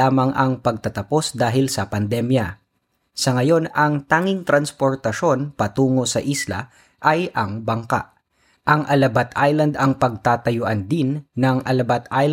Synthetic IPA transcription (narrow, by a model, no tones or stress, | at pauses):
aːmɐŋʔɐŋpɐɡ̚t̪ɐt̪ɐpo̞sd̪aːɦɪlsɐpɐnd̪ɛmjɐ | sɐŋɐjo̞nɐŋt̪aːŋɪŋt̪ɾɐnspo̞ɹt̪ɐʃo̞npɐt̪uːŋo̞sɐʔislɐ̰ | ʔɐjʔɐŋbɐŋka̰ʔ | ʔɐŋʔɐlɐbat̪ʰʔajlɐnd̪ɐŋpɐɡ̚t̪aːt̪ɐjʊʔɐnd̪ɪnːɐŋʔɐ̰lɐbat̪ʔajl